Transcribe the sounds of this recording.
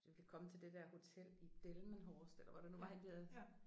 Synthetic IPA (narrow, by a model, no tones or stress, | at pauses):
d̥eʋkʰækʰɒ̽mət͡sʰe̝ld̥e̝d̥æɐ̰ho̝t͡sʰel̰id̥elmənɦɒːsd̥elɐʋɑd̥enuʋɑ̈hænb̥eðˠ